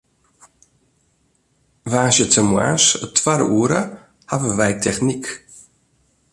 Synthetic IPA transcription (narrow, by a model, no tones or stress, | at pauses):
vaːsjətəmwa̰sətʰwaɾ̰uəɾə | havəʋɛjtʰɛxnik